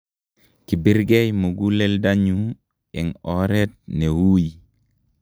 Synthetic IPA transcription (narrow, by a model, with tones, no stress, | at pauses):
ki˨bi˦ɾɡe˦jmu˨ɡu˦le˦ldaɲu | e˨ŋoɾet̚ne˨wu˦ji